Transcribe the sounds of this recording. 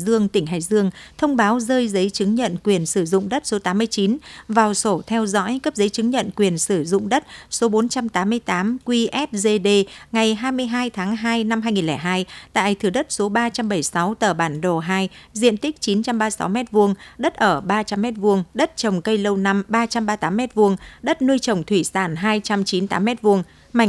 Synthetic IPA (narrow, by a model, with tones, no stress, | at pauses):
zɨ˧əŋt̪ï˧˩ŋ̟ɦa̰ː˧˨jzɨ˧əŋt̪ʰə˧wŋ͡mɓaː˨˦wzəː˧jzə˨˦jt͡ɕɨ˨˦ŋɲə̰˧˨nkwi˨˩ənsɨ˧˩zʊ̰˧˨ŋ͡mɗə˦˥t̚so˨˦t̪aː˨˦mː˧əjt͡ɕi˨˦nvaː˨˩wso˧˩t̪ʰɛ˧wzɔ̰˧˥jkə˦˥p̚zə˨˦jt͡ɕɨ˨˦ŋɲə̰˧˨nkwi˨˩ənsɨ˧˩zʊ̰˧˨ŋ͡mɗə˦˥t̚so˨˦ɓo˨˦nt͡ɕa˧mt̪aː˨˦mːɨ˧əjt̪aː˨˦mkwi˧ʔɛ˦˥p̚ze˧ɗe˧ŋa˨˩jɦaː˧jmɨ˧əjɦaː˧jt̪ʰaː˨˦ŋɦaː˧jna˧mhɦaː˧jŋi˨˩lɛː˧˩ɦaː˧jt̪a̰ː˧˨jt̪ʰɨ˨˩ɗə˦˥t̚so˨˦ɓaː˧t͡ɕa˧mɓə˧˩jsa˨˦wt̪əː˧˩ɓaː˧˩nɗo˨˩ɦaː˧jzḭ˧˨ənt̪i˦˥k̚t͡ɕi˨˦nt͡ɕa˧mɓaː˧sa̰˨˦wmɛ˦˥t̚vu˧əŋɗə˦˥t̚ʔəː˧˩ɓaː˧t͡ɕa˧mːɛ˦˥t̚vu˧əŋɗə˦˥t̚t͡ɕə˨˩wŋ͡mkə˧jlə˧wna˧mɓaː˧t͡ɕa˧mɓaː˧t̪aː˨˦mːɛ˦˥t̚vu˧əŋɗə˦˥t̚nɨ˧jt͡ɕə˨˩wŋ͡mt̪ʰwi˧˩saː˧˩nɦaː˧jt͡ɕa˧mt͡ɕi˨˦nt̪a̰ː˨˦mːɛ˦˥t̚vu˧əŋ | ma˧˩